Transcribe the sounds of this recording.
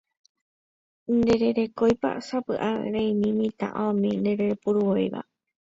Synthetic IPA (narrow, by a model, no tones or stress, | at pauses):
nd̪e̞ɾe̞ɾe̞kojpa̰sapɨʔaḛɾẽĩmĩmĩt̪ã̰ʔaõmĩnd̪eɾeɾepuɾuwojβa̰